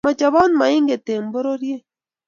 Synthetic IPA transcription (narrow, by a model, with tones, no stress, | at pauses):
ma˨t͡ʃa˨bɔ˦nma˨ɪ˦ŋɡe˨t̪e˨mbo˦ɾo˦ɾje˦